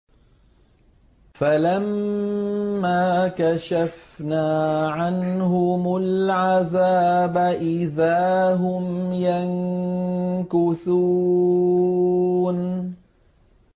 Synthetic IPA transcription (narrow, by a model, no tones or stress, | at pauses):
falamː | aːkaʃafnaːʕanhʊmʊlʕaðaːbaʔɪðaːɦʊmjaŋ | kʊθu | n